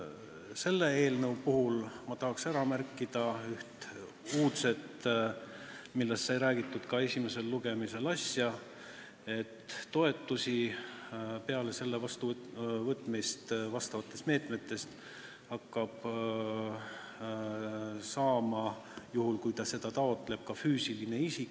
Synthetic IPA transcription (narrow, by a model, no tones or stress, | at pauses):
se̞lːe̞e̞ːlnɤwpuɦulmɑt̪ɑɦɑksæɾɑmærkˑːid̪̥ɑyht̪ | uːt̪se̞t̪ | milːest̪ːsɑjɾæːɡ̥it̪ːˑud̪̥kɑe̞sʲime̞se̞lːuɡ̥e̞mise̞lɑsʲjɑ | e̞t̪ːo̞e̞t̪ːusʲi | pe̞ɑle̞se̞lːevɑst̪uvɤt̪ːˑmist̪vɑst̪ɑvɑt̪ːˑest̪meːt̪me̞t̪ːˑe̞st̪ | hɑkːɑb̥ | sɑːmɑ | juhulkujt̪ɑse̞d̪̥ɑt̪ɑo̞t̪ːˑle̞b̥̚kɑfyːsiline̞isikː